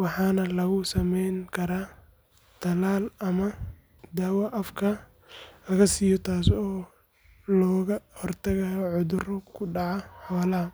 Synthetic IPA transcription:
wɑħɑːnɐlɐɣʊsɐmɛjŋkʰɐɾaː | t̪ʰɐlaːlɐmɐ | d̪aːwɐʔɐfkʰɐ | lɐɣɐsiːjɔt̪ʰaːsɔː | lɔːɣɐhɔrt̪ʰɐɣajɔʕʊðʊrɔkʰʊɖɑʕɑħɔːlɐɦɐ

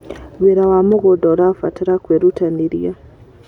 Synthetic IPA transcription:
weɾawamoɣodɔɾafateɾakweɾutaniɾia

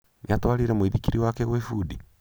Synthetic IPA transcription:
nʔiatowaɾiɾɛmwiðikiɾiwakeɣwefudi

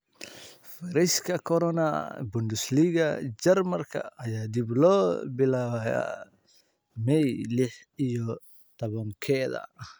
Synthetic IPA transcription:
fɐɾɛskʰɐkʰɔɾɔnɐbʊnd̪ɪsliːɣɐ̰d͡ʒɛrmɐrkʰɐ̰ɐjaːd̪iblɔːbɪlaːwaja̰ | mɛjlɪħ | ijɔ | t̪ʰɔβɐŋkʰɛːðɐ̰

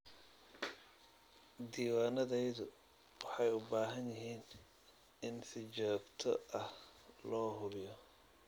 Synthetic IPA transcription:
d̪iːwaːnɐðɛjðʊ | wɑħɑjʊbaːɦɐnjɪɦiːn | ɪnsɪt͡ʃɔːɡt̪ʰɔ̰ɐhlɔːɦʊβɪjɔ

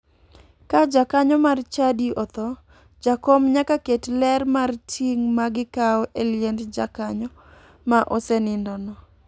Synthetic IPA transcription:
kad͡ʒakaɲɔmart͡ʃadiɔt̪ɔ | d͡ʒakomɲakaketlɛrmartʰiŋmaɡɪkaɔʔeljɛndd͡ʒakaɲɔ | maʔosɛnɪndɔnɔ

